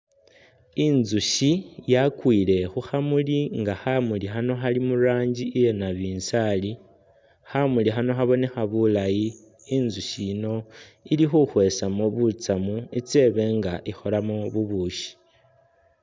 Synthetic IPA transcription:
inzuʃijakwiːle̞xuxamuliŋɡaxamulixano̞xalimuɾaːɲɟiːje̞naβiːnsali | xamulixano̞xaβo̞ne̞xaβulajiː | nzuʃiːno̞ilixuxwe̞samoβut͡samuit͡se̞βe̞ŋɡaʔixo̞lamoβuβuːʃi̥

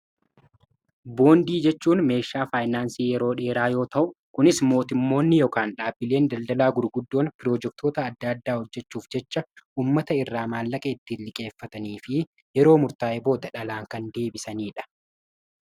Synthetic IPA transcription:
bo̞ːnd̪iːd͡ʒɛt͡ʃːuːnme̞ːʃaːfaːjnaːnsiːjɛɾo̞ːᶑe̞ːɾaːjo̞ːt̪ɐʔʊkʊnɪsmo̞ːt̪ɪmːo̞ːnːɪjokaːnᶑaːbːɪle̞ːnd̪ɐld̪ɐlaːɡʊɾɡʊd̪ːo̞ːnpɪɾoːd͡ʒɛk̚t̪ʰo̞ːt̪ɐːd̪ːad̪ːaːhɔd͡ʒːɛt͡ʃːuːfd͡ʒɛt͡ʃːɐʔuːmːɐt̪ɐɪrːaːmaːlːɐkʼɐɪt̪ːɪlɪkʼe̞ːfːɐt̪ɐniːfɪ | jɛɾo̞ːmʊɾt̪aːʔɛbo̞ːd̪ɐᶑɐlaːŋkɐnd̪e̞ːbɪsɐniːᶑɐ̥

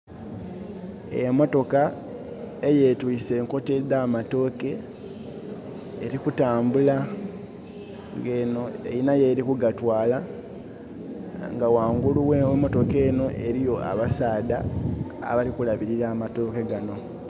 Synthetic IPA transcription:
ḛmo̞to̞ka | eje̞ːtwise̞ːŋko̞te̞dːaːmato̞ːke̞ | ɾikutaːmbula | ŋɡenoḛjinaje̞ːɾikuɡatwaːla | ŋɡawaːŋɡuluwewemo̞to̞ke̞ːno̞ʔe̞ɾijo̞a̰βasaːda̰ː | βalikulaβiɾiɾaːmato̞ːke̞ɡano̞

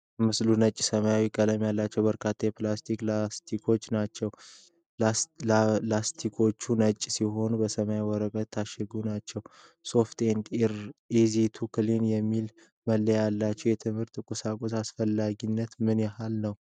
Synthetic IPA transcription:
mɨslunət͡ʃʼːsəmajawikʼːələmjalːat͡ʃːɛwbəɾkʰat̪ʰːajɛplast̪ʰiklast̪ʰikʰo̞t͡ʃːnat͡ʃːɛw | last̪ʰikʰo̞t͡ʃːunət͡ʃʼːsiɦo̞nubəsəmajawɔɾəkʼət̪ʰːaʃɛɡunat͡ʃːɛw | so̞ft̪end̪ɾezit̪ʰukʰɨlinjɛmːil | məlːəjalːat͡ʃːɛwjɛt̪ʰɨmhɨɾt̪ʼːɨkʼʊsakʼosasfəlːaɡinːət̪mɨnjɛhalnəw

